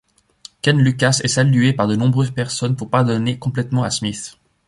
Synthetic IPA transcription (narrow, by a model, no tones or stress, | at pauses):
kɛnlykasɛsalyepaʁd̪ənɔ̃bʁøzpɛʁsɔnpuʁpaʁd̪ɔnekɔ̃plɛt̪mɑ̃asmiθ